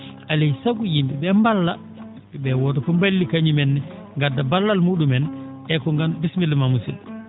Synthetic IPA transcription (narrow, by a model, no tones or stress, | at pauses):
ʔalɛjsaɡujimbɛbɛmbalːa | ɛbɛwɔdɔkɔmbalːikaɲimɛnːɛ | ŋɡadːabalːalmuːɗumɛnɛkɔŋɡanbismilmamusil